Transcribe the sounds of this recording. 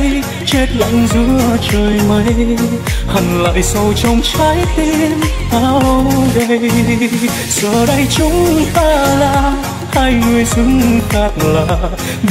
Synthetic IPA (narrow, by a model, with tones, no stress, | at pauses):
t͡ɕe˧t̚lə̰˧˨ŋzɨ˧˥t͡ɕəː˨˩jma˨˦j | ha˨˩ŋ̟la̰ː˧˨jsa˧wt͡ɕɔ˧wŋ͡mt͡ɕaː˨˦jt̪e˧mʔaː˨˧ɗə˧˩j | zɔ˧˩ɗə˧jt͡ɕʊ˨˧˦ŋ͡mt̪aː˧laː˨˩ | haː˧jŋɨ˧əjsɨ˨˦ŋxaː˧˩t̚laː˨˩